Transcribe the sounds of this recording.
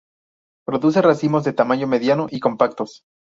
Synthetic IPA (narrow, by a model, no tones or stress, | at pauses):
pɾo̞ðus̬e̞rasimo̞zðe̞t̪amãɲo̞me̞ðjanoʔiko̞mpakt̪o̞s